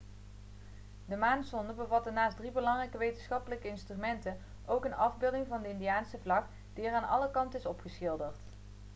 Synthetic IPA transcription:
dəmaːnsɔndəbəvɑtənaːsdribəlɑŋrɛjkəʋejtənsχɑpələkəɪnstrymɛntən | owkənɑvbɪlˠdɪŋvɑndəɪndijaːnsəvlɑk | d̥iəɹaːnɑ̰ləkɑntɪsɔpχəsxɪlˠdəɹt

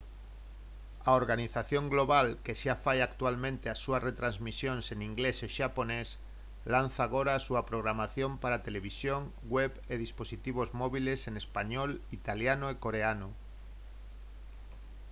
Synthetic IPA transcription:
aoɾɣaniθaθjõŋɡloβalkeʃafajakt̪ualmẽnt̪easuasret̪ɾanzmisjonseniŋɡleseʃapones | lan̟θaːɣoɾaːsuapɾoɣ̞ɾamaθjompaɾat̪eleβ̞isjoŋ | ɡweβeð̞isposit̪iβ̞ozmoβilesenespaɲolit̪aljanoekoɾeano

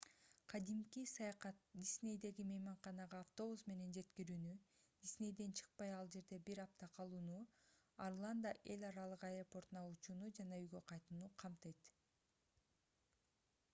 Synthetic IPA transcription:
qʰɑd̪imkisɑjɑqɑt̪̚d̪ʲisʲnʲe̞jd̪e̞ɡimejmɑɴqɑnɑʁɑːft̪o̞βusme̞ne̞nd͡ʒe̞t̪kiɾyːny | d̪̥ʲisʲne̞jd̪e̞nt͡ʃʰɯ̥q̚pɑjɑlˠd͡ʒe̞ɾd̪e̞biɾɑp̚t̪ɑqʰɑlˠuːnu | arlˠand̪aʔe̞lʲɑɾɑlˠɯqɑjropo̞rt̪unɑut͡ʃuːnud͡ʒɑnɑyjɡø̞qʰɑjt̪unuqʰɑmt̪ɯjt̪

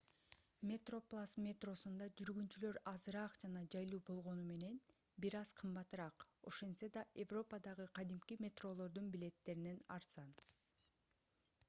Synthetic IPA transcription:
mʲet̪ro̞plˠasmʲet̪ro̞sund̪ɑd͡ʒyɾɡynt͡ʃylø̞ɾɑzɾɑqd͡ʒɑnɑd͡ʒɑjlˠuːbo̞lˠʁo̞nume̞ne̞n | biɾɑz̥qʰɯmbɑt̪ɾɑqo̞ʃe̞nsed̪ɑʔe̞vro̞pəd̪ɑʁɯqʰɑd̪imkimʲe̞t̪ro̞lˠo̞ɾd̪unbile̞t̪ːe̞ɾine̞nɑɾsɑn

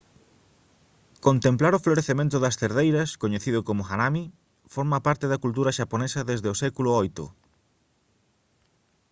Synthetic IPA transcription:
kont̪emplaɾofloɾeθemẽnt̪ʊðɐst̪eɾðejɾɐskoɲeθiðʊkomʊxanami | foɾmɐpaɾt̪eðɐkult̪̬uɾɐʃaponesɐðezðeosɛkulʊojt̪ʊ̰

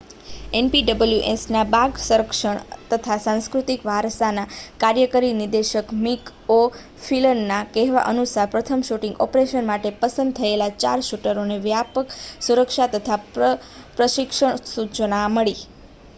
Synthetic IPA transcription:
enpiɖəbəljuʔesnabaɡsuɾəkʃəɳt̪ət̪ʰasãŋskɾut̪ikʋaɾsanakaɾjəkəɾinɪɾd̪eʃəkmik | o | filənnakɛɦʋa̰ʔənusaɾpɾət̪ʰəmʃuʈĩŋɡɔ̰pɾeʃənmaʈepəsənd̪̚t̪ʰəelat͡ʃa̰ɾʃuʈəɾoneʋjapəksuɾəkʃat̪ət̪ʰa | pɾəʃɪkʃəɳsut͡ʃənaməɭi

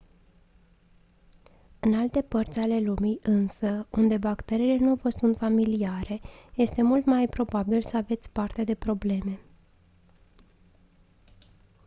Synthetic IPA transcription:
ɨnalt̪e̞pərt̪sʲale̞lumijʔɨnsəund̪e̞bakt̪e̞ɾiːle̞nuvəsunt̪familiaɾe̞je̞st̪e̞mult̪majpɾo̞babilsəave̞t̪sʲpart̪ed̪e̞pɾo̞ble̞me̞

